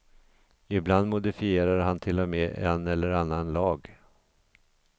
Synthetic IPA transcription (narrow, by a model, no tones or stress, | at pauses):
ɪbland̪mʊd̪ɪfɪeːɾaɾɦant̪ʰɪlːɔmeːʔɛnɛlːəɾanːanlɑːɡ